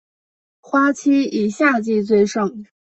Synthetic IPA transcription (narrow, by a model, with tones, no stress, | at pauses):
xwa˥t͡ɕʰi˥i˨˩ɕja˥˧t͡ɕi˥˧t͡swe˥˧ɪʂɤ˥˩ŋ